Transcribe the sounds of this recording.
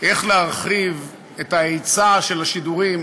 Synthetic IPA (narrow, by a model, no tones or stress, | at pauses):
ʔe̞χleaʁχiv | etaejt͡saʃelaʃiduʁim